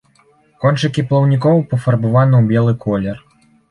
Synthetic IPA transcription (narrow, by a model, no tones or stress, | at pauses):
kɔnt͡ʂɨkʲiplˠɐwnʲikɔwpɐfɐrbavanɨwbʲɛlˠɨkʰɔlʲɛr